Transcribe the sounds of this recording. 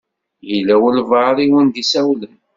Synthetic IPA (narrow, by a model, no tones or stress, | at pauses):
jəlːæwəlvɑɾˤiwənd̪isæwlən